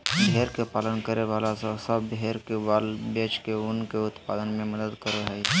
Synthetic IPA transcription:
bɦeːɾkepaːlənkəɾeʋaːlasasəbbɦeːɾkeʋaːlbeːt͡ʃkeʊnkeʊt̪paːd̪ənmẽməd̪əd̪kəɾoɦɛ

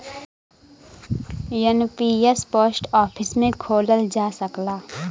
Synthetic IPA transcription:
jənpiːespoːsʈɔːpʰɪsmẽkʰoːləld͡ʒaːsəklaː

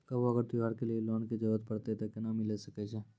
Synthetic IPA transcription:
kɐbɐɡəɾt̪uɦɐɾkelieloːnkid͡ʒɐɾuət̪̚pɐɽt̪et̪ɐkenamilesɐket͡ʃʰeː

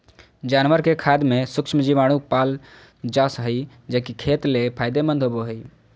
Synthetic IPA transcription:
d͡ʒanʋəɾkekʰad̪mesʊkʃmd͡ʒiʋaɽ̃upaːl | d͡ʒasɦəj | d͡ʒəkikʰet̪lepʰajd̪emə̃nd̪ʱɦoboɦəj

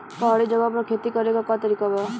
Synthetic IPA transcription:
kɔɦɽid͡ʒɔɡap̬ɔɾkʰet̪ikɔɾekɔkɔt̪ɔɾikɔbɔ

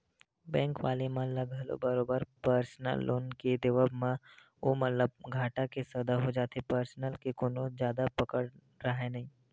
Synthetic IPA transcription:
bɛ̃ːŋkʋa̰ːlemãləɡəlo̰bɐɾoːbəɾpəɾsnə̰lːo̰ːnked̪ɪʋəbmã | omɐt̪ləb̚ɡʱaːʈakesəd̪aɦod͡ʒaːt̪epəɾsnəlkekʊnõd͡ʒjaːd̪apɐkəɽ | ɾaɦenɐɦĩː

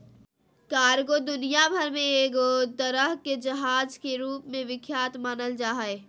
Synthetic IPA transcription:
kaːɾɡod̪ʊnijabʱəɾmẽeːɡod̪əɾəɦked͡ʒɐɦaːd͡ʒkeɾuːpmẽʋɪkʰjaːt̪maːnəld͡ʒaːɦeː

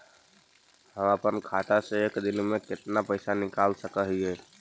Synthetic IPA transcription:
ɦə̃mapənkʰaːt̪aseeːkd̪ɪnmẽkɪt̪napəɪsanɪkaːlsəkəɦiɦɛː

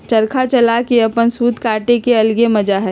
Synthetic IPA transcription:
t͡ʃɐɾkʰat͡ʃɐlakeɐpənsuːd̪kaːʈekeɐlɡemɐd͡ʒaɦɛː

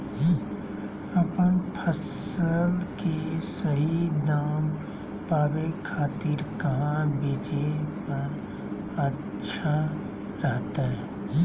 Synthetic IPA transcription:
ɐpənpʰəs | əlkesəɦinaːm | paːʋekʰaːt̪ɪɾkɐɦãbeːt͡ʃepɐɾ | ətːʃʰa | ɾəɦt̪aɦɛː

